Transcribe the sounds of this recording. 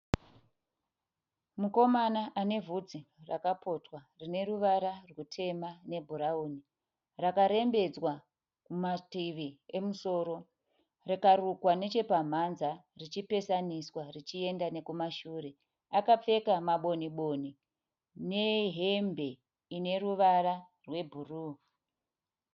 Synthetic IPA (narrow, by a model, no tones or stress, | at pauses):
muko̞manaʔane̞vʱud͡zirakapʰo̞twarine̞ruʋaɾarwutʰe̞mane̞bʱuɾauni | rakaɾe̞mbe̞d͡zwa | kumatiʋiemuso̞ːɾo̞ | rikarukwane̞t͡ʃe̞pam̤anzarit͡ʃipe̞saniswarit͡ʃie̞ndane̞kumaʃuːre̞ | akap͡fe̞kamaɓo̞niɓo̞ni | ne̞ɦembe̞ | ine̞ruʋaɾa | rwe̞bʱuruː